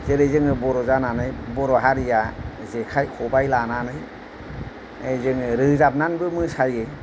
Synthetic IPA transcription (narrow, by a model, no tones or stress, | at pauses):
zeɾɯjzɯŋɯbɔɾɔzananɯjbɔɾɔɦaɾijazekʰajkʰɔbajlananɯj | ezɯŋɯɾɯzap̚nanbɯmɯsaje